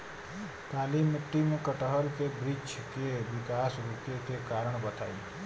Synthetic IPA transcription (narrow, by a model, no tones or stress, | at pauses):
t̪alimːɪʈːimekəʈɦəɾkebɾid͡ʒkeʋikasɾuket̪ekaɾəɳbət̪ʰaĩ